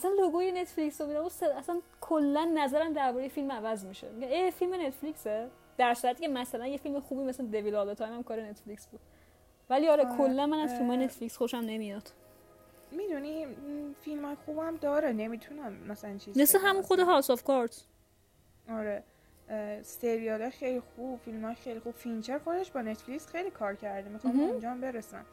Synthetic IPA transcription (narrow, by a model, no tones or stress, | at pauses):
ʔæsænloɡuːjene̞t̪flicsomid̪æbuːd̪seæsænkʰolːænːæzæɾæmd̪æɾbɔːɾejefilmævæzmiʃḛmiɟæeːfilmene̞t̪fliːkse | d̪̥æɾsuɾæt̪ʰːiːcʰemæsælænjefilmexuːbimesld̪e̞vilɒld̪et̪ʰɒːjmæmkʰɒːɾene̞t̪flicsbuːd̪̥̚ | væliɒɾekʰolːænmænæzfilmɒːjene̞t̪flicsxoʃæmne̞mijɒd̪̥ | mid̪unifilmɒːjexuːbhæmd̪ɒːɾene̞miːt̪ʰunæmːæsælænt͡ʃʰizmesleɦæmunxod̪eɦɒlsɒfkɒɾt̪ʰ | ʔɒɾe | st̪eɾiɑlɒjxejlixub̥filmhɒːjexejlixub̥fint͡ʃʰeɾxo̞d̪eʃbɒːnet̪flicsxejlikʰɒːɾcʰæɾd̪emit̪ːund͡ʒɒmbe̞ɾesæ̰m